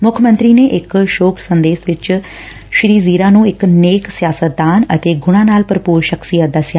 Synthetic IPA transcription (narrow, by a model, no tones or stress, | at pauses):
mʊkʰmənt̪ɾiːneːʔɪkʃoːkʰsənd̪eːsʋɪt͡ʃ | ʃɾiːziːɾaːnũːɪkneːksɪjaːsət̪̚d̪aːnə̰t̪eːɡʊɽ̃ãːnaːlpəɾəpuːɾʃəksijət̪̚d̪asjaː